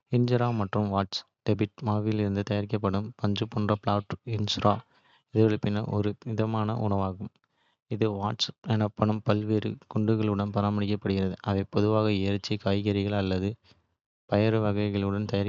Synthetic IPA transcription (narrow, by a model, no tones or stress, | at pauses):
ɪnd͡ʒɾaːmɐʈrɯmʋaːʈs | ɖ̥ɛbɪʈ̚maːʋɪjɪlɪɾɯnd̪ɯt̪ɐjɐɾɪkːɐp̬ːɐɽɯmpɐɲd͡ʒɯpːɔːndrɐpɭaːʈɪnsɾaː | ɪðɯɣɐɭɯpɪnːɐʔɔɾɯnɪðɐmaːnɐʔʊ̰nɐʋaːɣɯm | ɪðɯʋaːʈsɛnɐpːɐɳɯmpɐlʋeːɾɯ̰kʊɳɖɯɣɐɭɯɽɐnpɐɾaːmɐɽɪk̬ːɐpːɐɽɯɣɪɾɐðɯʔɐʋɐpɔðɯʋaːɣɐɪjɐɾɐt͡ʃːikaːjɣɐɾɪɣɐɭɐlːɐðɯ | pɐjɐɾɯʋɐɣɐɪɣɐɭɯɽɐnt̪ɐjɐɾ